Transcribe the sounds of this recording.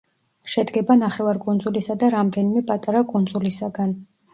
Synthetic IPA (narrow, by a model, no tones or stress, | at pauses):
ʃɛd̪ɡɛbanaχɛvaɾkʼund̪zulisad̪aɾamd̪ɛnimɛpʼat̪ʼaɾakʼund̪zulisaɡan